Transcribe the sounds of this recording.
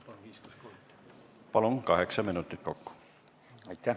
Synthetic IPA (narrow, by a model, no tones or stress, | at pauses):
pɑlunkɑɦe̞ksɑminut̪ːˑit̪̚ˑko̞kːu̥ | ɑjt̪ːæ